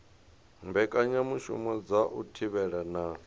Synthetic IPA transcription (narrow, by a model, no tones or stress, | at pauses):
mbɛkʼaɲamuʃṵmɔd͡zaʔutʰiβɛɺana